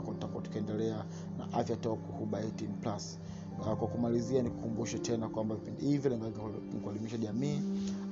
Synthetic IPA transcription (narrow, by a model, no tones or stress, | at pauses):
kɔtakɔtu̥kɛndɛlɛa | na̰ʔafjatɔkuhuɓaitiŋplas | akwakumalizianiku̥kumbuʃɛtɛnakwambavipindihivjɔlɛŋɡak | kualimiʃaʄamiː